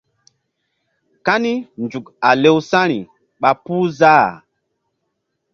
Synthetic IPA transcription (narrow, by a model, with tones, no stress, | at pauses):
ka˦ni˦nd͡ʒu˨ka˨le˦wsa˦ɾḭ˨ | ɓa˨puː˦za˦˨